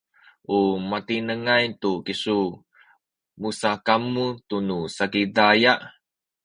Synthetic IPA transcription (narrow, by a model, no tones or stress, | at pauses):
ʔumat̪inəŋajt̪ukisu | musakamut̪unusakidajaʔ